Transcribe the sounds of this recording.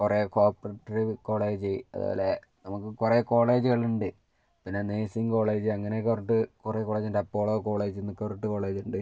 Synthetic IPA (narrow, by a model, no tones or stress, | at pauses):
kurekoːrpɐrɐʈːɐɾiko̞ːɭe̞ːd͡ʑɨɐ̰ðṵːle | nɐmukːɨkureːko̞ːɭeːd͡ʑuɣɐɭuɳɖɨ | pinːeneːsiŋko̞ːɭe̞ːd͡ʑɨɐŋːɐnek̬ːɐriʈːɨkureːkoːɭeːd͡ʑindeɐpːo̞ːɭoːko̞ːɭe̞ːd͡ʑnukːɐriʈːɨko̞ːɭe̞ːd͡ʑuɳɖɨ